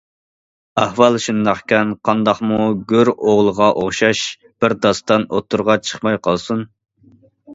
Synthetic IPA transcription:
æhwɑlˠʃund̪ɑqkʲɛnqʰɑnd̪ɑχmuɡʲøɾoʁlˠəʁɑʔoχʃɑʃ | b̥ɪɾd̪ɑst̪ɑnot̪ʰːuɾʁɑt͡ʃʰə̥χmɑjqʰɑlˠsun

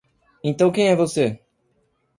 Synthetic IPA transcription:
ẽnt̪ɐ̃w̃kẽj̃ɛvose

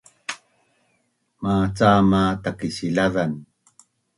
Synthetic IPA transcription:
maːt͡samat̪akisilaðan

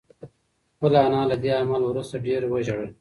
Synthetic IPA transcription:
xpəlanɑːlad̪eamalwɾust̪aɖeɾwəʒaɽə

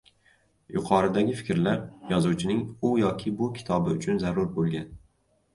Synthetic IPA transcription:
jʊqʰɒɾɪd̪aɡʲɪfɪkʲɾlaɾjɒzuwt͡ʃʰɪnɪŋʊjɒkʲʰɪbʊkʲʰɪ̥t̪ʰɒbɪʊt͡ʃʰʊnzaɾʊɾbolˠɡʲan

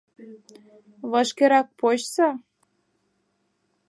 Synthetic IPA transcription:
βɤʃkeɾɑk̚pot͡ɕsɑ

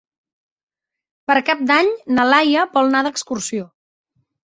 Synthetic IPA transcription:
pəɾkap̚d̪aɲnəlajəbɔlˠnaðəkskuɾsio

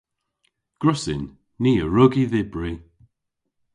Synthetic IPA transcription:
ɡ̥ɹʊsɪ̰nː | iːəɹʊɡiðɪbɹiː

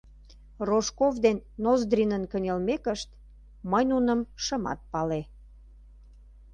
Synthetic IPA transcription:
roʃkovd̪enːozd̪ɾinənkənʲelmekəʃt̪ | məjnunəmʃəmɑ̰t̪̚pɑle

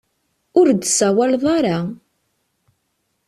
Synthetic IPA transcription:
ʊɾd̪sæwælðˤɑɾa

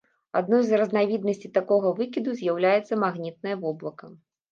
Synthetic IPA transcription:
ad̪nɔjzrɐznavʲid̪̚nɐsʲt͡sʲit̪akɔɣɐvɨkʲid̪uzʲjawlʲajɛt̪sɐmaɣnʲit̪̚nɐjɐvɔblˠɐkɐ

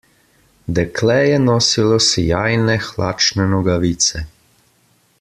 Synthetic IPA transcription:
d̪ɛkʰlɛjɛnɔsilɔsɛjaːjnɛxlaːt͡ʃnɛnɔɡaʋit̪sɛ

